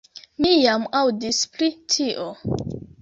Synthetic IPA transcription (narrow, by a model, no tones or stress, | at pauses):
mijamawdispɾitʰiʔo